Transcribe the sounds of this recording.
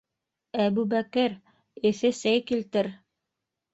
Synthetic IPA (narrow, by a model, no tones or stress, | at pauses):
æβʉbækɘɾ | ɘ̆θɘsæjkilt̪ɘɾ